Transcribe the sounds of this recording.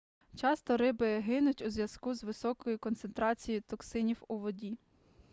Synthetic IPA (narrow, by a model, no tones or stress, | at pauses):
t͡ʃɑst̪ɔɾɪbɪɦɪnʊtʲuzʲʋʲjɐskuzʋɪsɔkɔjikɔnt̪sent̪ɾɑt͡sʲijit̪ɔksɪnʲiwuʋɔdʲi